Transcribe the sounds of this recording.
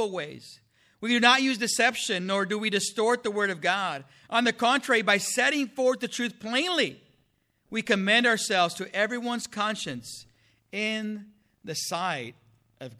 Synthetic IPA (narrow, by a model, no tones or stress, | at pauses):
l̩ˠweɪz̥ | wiɾɨnət̚jʉzdɨsɛpʃɨ̃nːɔɹdɨwidɨstɔɹt̪̚ðəwɜ˞ɾʌvɡɑɾ | ʔə̃nðɨkʰɑ̃ntɹ̥ɛɹibaɪsɛɾɪ̃ŋfɔɹwt̪̚ðɨtʰɹ̥ʉθpʰl̥ẽɪ̃nli | wikɨmɛ̃ndəə˞sɛlˠvz̥tʰɨʔɛvɹiwʌ̃nz̥kʰɑ̃nʃɨ̃ns | ɪ̃n | ðɨsaɪɾ | ʔʌv